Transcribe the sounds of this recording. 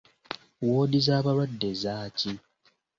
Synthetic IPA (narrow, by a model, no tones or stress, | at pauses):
woːdizaːβaɾwadːe̞zaːci